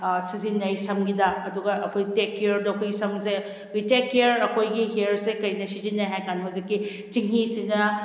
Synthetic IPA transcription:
sizinːɐjsɐmɡidɐɐduɡɐʔɐkʰojtekːjɐɾdɐɐkʰojɡisɐmse | bitekiɐɾɐkʰojɡiɦiɐɾsekɐjnɐsizinːajɦajkaniɦɔzikːi | t͡ʃiŋɦisinɐ

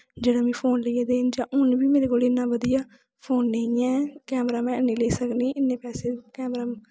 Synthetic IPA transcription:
d͡ʒeːɽãːmɛ̃ːpʰoːnləijaːd̪eːnd͡ʒãːʔʊnbiːmeːɾeːkoːlɪnːãːʋəd̪ijaː | pʰoːnːeĩːɛ̃ːkɛːmɾaːmɛ̃ːəneːleːsəkniːʔɪnːẽːpɛːseːkɛːmɾaːm

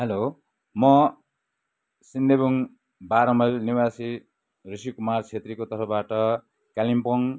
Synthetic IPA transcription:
ɦʌlo | mʌ | sind̪ebuŋ | baɾʌmʌlniwasi | rusikumart͡sʰet̪rikot̪ʌrpʰʌbaʈʌ | kalimpoŋ

